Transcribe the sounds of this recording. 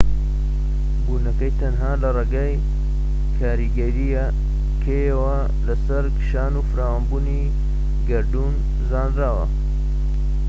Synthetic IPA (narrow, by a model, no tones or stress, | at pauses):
buːnɐkɐjt̪ʰɐnɦaːlɐreɡaːj | kʰaːɾiɡɐɾija | kʰejɐwɐ | lɐsɐɾkɨ̥ʃaːnufɨɾaːwanbuːni | ɡɐɾd̪un | zaːnɾaːwɐ̰